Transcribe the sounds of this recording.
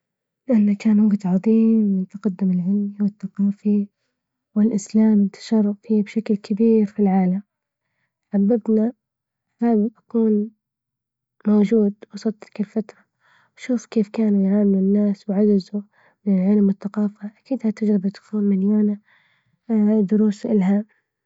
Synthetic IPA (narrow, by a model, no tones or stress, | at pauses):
lʔanːakaːnwʊɡt̪ʕɑðˤiːmɪnt̪aqad̪ːɪmɪlʕɪlmiwɪθːaqɑːfi | wɪlʔɪslaːmt̪ḁʃɑrˤːʊfiːbʃaklkʰabiːɾfilʕaːlam | ħabːabna | habʔakuːn | mowd͡ʒuːd̪wɑsˤɑd̪ˤɪ̥kɪlfat̪ɾˤɑ | wʃuːfkeːfkaːnujʕaːmɪlʊnːaːswʕad͡ʒɪzu | mɪnɪlʕɪlmwɪθːaqɑːfaʔakiːd̪hat̪ɪd͡ʒɾɪbat̪ʊ̥fuːnmɪnjaːna | d̪ʊɾuːsʔɪlɦam